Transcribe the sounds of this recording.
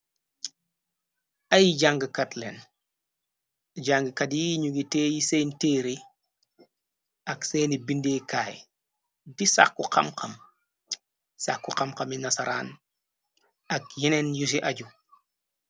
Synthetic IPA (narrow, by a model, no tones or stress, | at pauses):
ʔɐjiɟaŋɡəkatlɛ̰n | ɟaŋɡəkɐtjiɲuɡiteːjiseːnteːɾi | ɐkseːnibindeːkaːj | disa̰kːuqa̰mqɐm | sakːuqamkɐminɐsaɾa̰ːn | ɐk̚jinɛnjus̬iʔaɟu